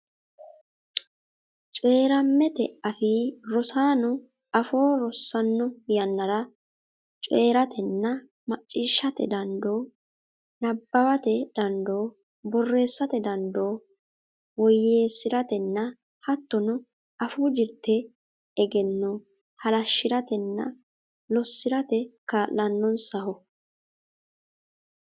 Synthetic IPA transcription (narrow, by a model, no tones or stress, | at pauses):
t͡ʃʼe̞ːɾɐmːɛt̪ɛ̰ɐfɪɾɔsaːnɔ | ɐfo̞ːɾɔsːɐnːɔjɐnːɐɾɐ | t͡ʃʼeːɾɐt̪ʰɛnːɐ | mɐt͡ʃʼːiːʃːɐt̪ɛ̰d̪ɐnd̪o̞ː | nɐbːɐwɐt̪ɛd̪̥ɐnd̪o̞ː | bɔrːe̞ːsːɐt̪ɛd̪ɐnd̪o̞ː | wɔjːeːsːɪɾɐt̪ɛnːɐ | hɐt̪ːɔnʊ | ɐfuːd͡ʒɪɾt̪ːɛ | ɛɡɛnːɔ | hɐlɐʃːɪɾɐt̪ɛnːɐ̰ | lɔsːɪɾɐt̪ɛkaːlːɐnːɔnsɐhɔ